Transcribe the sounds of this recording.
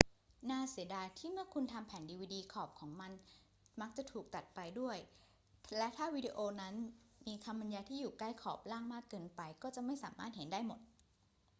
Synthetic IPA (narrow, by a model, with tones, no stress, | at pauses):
naː˧˥˩si˨˩˦ədaː˧t̪ʰiː˥˩mɯ˥˩əkʰu˧nt̪ʰa˧mpʰɛː˨˩˦ndiː˧wiː˧diː˧kʰɔː˨˩p̚kʰɔː˩˦ŋma˧n | ma˦˥k̚t͡ɕa˨˩t̪ʰuː˨˩k̚t̪a˨˩t̪̚pa˧jdu˥˩əj | lɛ˦˥t̪ʰaː˥˩wi˨˦˥di˧ʔoː˧na˦˥nmiː˧kʰa˧mba˧njaː˧t̪ʰiː˥˩juː˨˩kla˥˩jkʰɔː˨˩p̚laː˥˩ŋmaː˥˩kːɤː˧npa˧jkɔː˥˩t͡ɕa˨˩ʔma˥˩jsaː˩˦maː˥˩t̪̚he˩˦ndaː˥˩jmo˨˩t̪̚